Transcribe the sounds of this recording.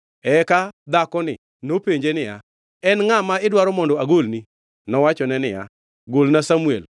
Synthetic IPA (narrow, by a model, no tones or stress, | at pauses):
ɛkad̪akɔnɪ | nopeɲd͡ʒenɪja | ɛnŋamaɪdwaɾɔmɔndɔaɡolni | nɔwat͡ʃɔnɛnɪja̰ | ɡolnasamuḛl